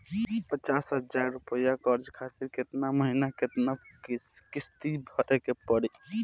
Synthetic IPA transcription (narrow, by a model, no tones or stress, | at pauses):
pət͡ʃasɦəd͡ʒaɾːupəjakəɾd͡ʒkʰat̪iɾket̪naməɦinaket̪na | kist̪ibʱəɾʔekepəɽi